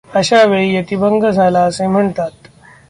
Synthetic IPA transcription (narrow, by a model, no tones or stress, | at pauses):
əɕaʋeɭijət̪ibəŋɡəd͡zʱalaəsẽm̤əɳt̪at̪